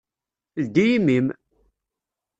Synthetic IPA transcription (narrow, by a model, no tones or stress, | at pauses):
ld̪ijimim